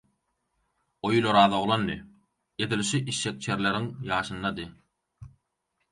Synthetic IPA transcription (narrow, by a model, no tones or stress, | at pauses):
ojulˠoɾɑːðoʁlˠɑnːḭ | ed̪ilʃiʔiʃːek̚t͡ʃʰeɾleɾiŋjɑːʃɯnd̪ɑd̪ɯ